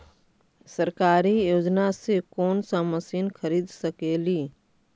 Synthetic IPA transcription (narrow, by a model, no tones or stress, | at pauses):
sɐɾkaːɾijoːd͡ʒnasekɔːnsaməsiːnxɐɾiːd̪sɐkeːliː